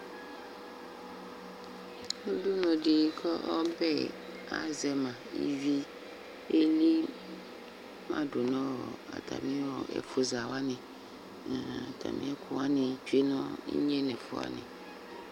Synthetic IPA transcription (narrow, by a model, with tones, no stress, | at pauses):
o˦du˦nɔ̃˨ɖi˨˦kʰɔ˦ʔɔ˦bɛ˦ | a̰˨zɛ˨mã˨ḭ˦vi˦ | e˦li˦ | mã̰˦ɖo˨nɔ̃˦wɔ˨a̰˨t̪ʰa̰˨mĩ˦wɔ˨ɛ̰˨fo˦za˨wa˦nĩ˨ | a˨t̪ʰa̰˨mḭ̃˦ɛ˦kʰu˦wa˦nĩ˨t͡ʃu˦e˦nɔ̃˦ḭ˦ɲɛ˦nɛ̃˨fo̰˨a̰˦nɪ̰̃˨